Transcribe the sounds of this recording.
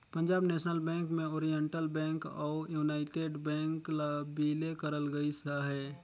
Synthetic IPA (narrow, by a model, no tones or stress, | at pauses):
pə̃ɲd͡ʒaːbneːʃnəlbɛ̃ːŋkmẽoːɾijəɳʈəlbɛ̃ːŋkɔːjuːnaːɪʈeːɖbɛ̃ːŋklabiːlekəɾəlɡəisaɦɛː